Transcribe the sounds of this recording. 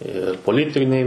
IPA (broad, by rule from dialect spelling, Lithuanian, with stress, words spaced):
ɪr poːˈlʲɪtʲɪnʲɛɪ